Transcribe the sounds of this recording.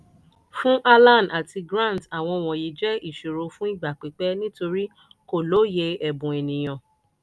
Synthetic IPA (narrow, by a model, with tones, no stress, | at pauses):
fũ˦ʔa˦lã˦˨n˨a˨tʰi˧ɡɾã˦˨n˨ta˨w̃ɔ̃˧w̃ɔ̃˨ji˨˦d͡ʒɛ˦i˦˨ʃo˨ɾo˨˧fũ˦i˦˨ɡ͡ba˨k͡pi˨k͡pɛ˦nĩ˦to˧ɾi˦ | ko˨lo˨˦je˧ɛ˨bũ˨e˨nĩ˨j̃ã˨